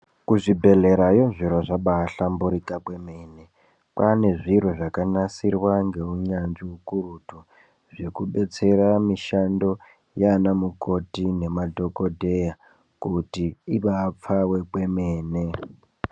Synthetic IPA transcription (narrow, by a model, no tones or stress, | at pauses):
kuʐibʱe̞ɮe̞ɾajoʐiɾoʐaɓaːɬambuɾikakwe̞meːne̞ | pane̞ʐiɾoʐakanasirwaŋɡe̞uɲanʐiukuɾutu | ʐe̞kuɓe̞t͡se̞ɾamiʃando̞ | janamuko̞tine̞madʱo̞kodʱe̞ja | kutiiɓap͡fawe̞kwe̞meːne